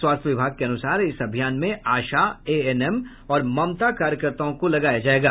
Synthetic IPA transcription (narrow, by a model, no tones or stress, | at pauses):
swaːst̪ʰjəʋɪbʱaːɡ̚keɐnʊsaːɾɪsɐbʱijaːnmẽaːʃaeːɛnɛm | ɔːɾmɐmt̪akaːɾjəkəɾt̪aõkolɐɡaːjad͡ʒaːeːɡaː